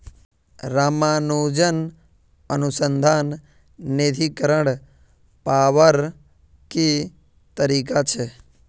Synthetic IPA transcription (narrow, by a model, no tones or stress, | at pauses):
ɾamanud͡ʒən | ənusənd̪ʱanː | ed̪ʱikəɾəɽ | paʋəɾ | ki | t̪əɾikat͡ʃʰe